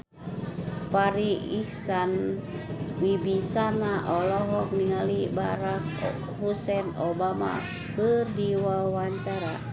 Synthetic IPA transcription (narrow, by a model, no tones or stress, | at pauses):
paɾiihsan | wibisanaʔɔlɔɦɔk̚niŋalibaɾak | husɛnobama̰ | kɨrdiwawaɲt͡ʃaɾa